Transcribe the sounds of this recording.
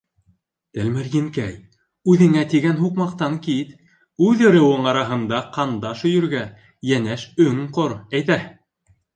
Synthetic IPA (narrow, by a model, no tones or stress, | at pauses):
t̪ælmɘɾjɘ̆ŋkæj | ʉðɘ̆ŋæt̪iɡænɦuqmɑqt̪ɑŋkit̪ | ʉðɤ̆ɾɤ̆wɤɴɑɾɑɦɤ̆nd̪ɑqʰɑnd̪ɑʃɵ̆jɵ̆ɾɡæ | jænæʃɵŋqoɾæjt̪æ